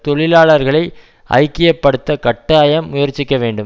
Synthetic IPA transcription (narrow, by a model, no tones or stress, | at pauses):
t̪ɔɭɪlaːɭɐɾɣɐɭɐɪ | ʔɐ̰ɪkːɪjɐpːɐɽɯt̪ːɐkɐʈːaːjɐmːʊjɐɾt͡ʃːɪkːɐʋeːɳɖɯm